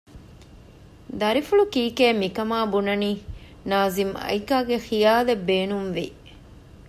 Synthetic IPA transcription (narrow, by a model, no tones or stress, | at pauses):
d̪ɐɾifuɭukiːkeːmikɐmaːbunɐniː | naːzimɐ̰ikaːɡexijaːlebːeːnumʋi